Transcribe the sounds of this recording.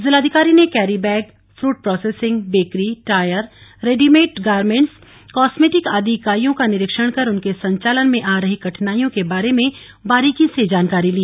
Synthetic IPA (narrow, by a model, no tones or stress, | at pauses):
zɪlaːd̪ʱɪkaːɾinekɛːɾibɛːɡ | fɾuːʈ̚pɾɔːseːsɪ̃ŋɡbeːkɾiʈaːjəɾːeːɖimeːʈɡaːɾmẽɳʈs | kɔːsmeːʈɪkaːd̪ʱikaːɾijõkanɪɾɪkʃəɽ̃kɐɾʊnkesɐ̃ɲt͡ʃaːlənmẽʔaːɾəɦikɐʈʰnaːijõkebaːɾemẽ | baːɾiːkĩsed͡ʒaːnkaːɾiliː